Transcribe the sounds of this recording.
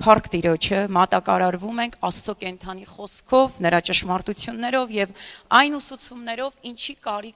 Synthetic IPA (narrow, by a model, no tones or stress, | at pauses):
pʰɑɾkt̪iɾɔt͡ʃʰəmɑt̪ɑkɑɾɑɾvumɛŋkʰɑst͡sɔkɛnt̪ʰɑn̪iχɔskʰɔvnəɾɑt͡ʃəʃmɑɾt̪ut͡sʰjunːɛɾɔvjɛvɑjnusut͡sʰumnɛɾɔvint͡ʃʰikɑɾik